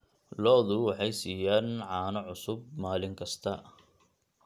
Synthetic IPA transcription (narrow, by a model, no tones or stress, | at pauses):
lɔːðʊwɑħɑjsiːjaːnʕɑːnɐʕʊsʊb̚maːlɪŋkʰɐst̪ʰɐ